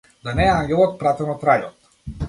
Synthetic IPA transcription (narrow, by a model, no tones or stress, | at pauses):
d̪anɛːaŋɡʲɛlˠɔt̪̚pɾat̪ɛnɔt̪ɾajɔt̪